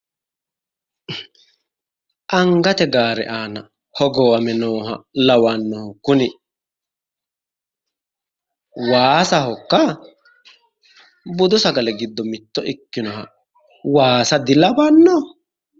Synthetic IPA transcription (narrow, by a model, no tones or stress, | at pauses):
ʔɐŋɡɐt̪ɛɡaːɾɛ̰ʔaːnɐ | hɔɡɔwɐmɛnoːɦɐlɐwanːɔhʊkːʊnɪ | waːsɐɦɔkːɐ | bʊd̪ʊsɐɡɐlɛɡɪd̪ːɔmɪt̪ːɔʔɪkːɪnɔɦɐ̰ | waːsɐd̪ɪlɐbanːɔ